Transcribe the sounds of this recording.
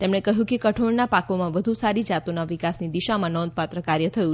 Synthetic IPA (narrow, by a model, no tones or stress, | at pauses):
t̪emɳekəɦũkekəʈʰoɽnapakomãʋəd̪ʱusaɾid͡ʒat̪onaʋikasnid̪iʃamãnɔ̃nd̪̚pat̪ɾəkaɾjət̪ʰəjũ